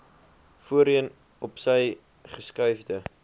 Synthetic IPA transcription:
fuəɾiən | ɔpsəj | χəskœɥfdə

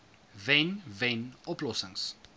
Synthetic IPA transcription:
vɛnvɛnɔplɔsəŋs

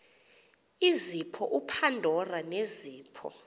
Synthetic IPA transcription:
izipʰɔʔupʰandʱɔraneziːpʰɔ̰

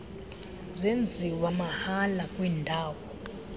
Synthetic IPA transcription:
zend͡zʱiwamahalakʼwindʱaːwɔ

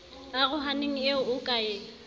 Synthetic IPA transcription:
aɣʊɦaneŋ̩eʊʊkʼaeːŋ̩

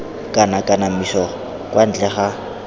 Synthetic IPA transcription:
kʼanakʼanamiʃɔɔ | kʼwʔan̩t͡ɬʼɛχa

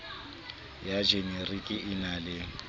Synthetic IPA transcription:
jad͡ʒeɲerikʼɪɪnalɪ

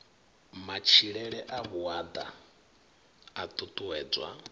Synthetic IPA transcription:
mat͡ʃʰiɺɛɺɛʔaβuad̪a̰ | at̪ʼut̪ʼuwɛːd͡zwa̰

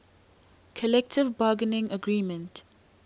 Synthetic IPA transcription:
kʰəlɛk̚tʰɪvbaːɡənɪ̃ŋəɡɹiːmə̃nt

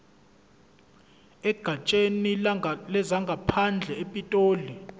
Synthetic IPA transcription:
ɛɡ̥ʱat͡ʃʼenilɛzaŋɡʱapʰand͡ɮʱɛepʼitʼoːli

